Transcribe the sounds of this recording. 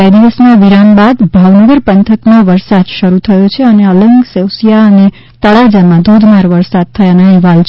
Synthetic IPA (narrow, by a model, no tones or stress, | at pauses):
ad̪iʋəsnaʋiɾanbad̪bʱaʋnəɡəɾpənt̪ʰəkmãʋəɾsad̪ʃəɾut̪ʰəjot͡ʃʰeəneələŋɡsewsjaəne | t̪əɭad͡ʒamãd̪ʱod̪ʱmaɾʋəɾsad̪̚t̪ʰəjanaiʋalt͡ʃ